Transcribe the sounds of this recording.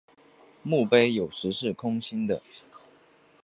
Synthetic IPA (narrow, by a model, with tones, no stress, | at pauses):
mu˥˨pe˥ɪjo˨˩ʊʂɻ̩˧˥ʂɻ̩˥˩kʰʊ˥ŋɕi˥nd̪ə̰˨